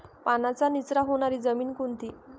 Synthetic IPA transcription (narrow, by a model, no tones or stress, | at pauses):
panat͡sanit͡sɾaɦoɳ̃aɾiːd͡zəmiːnkunt̪i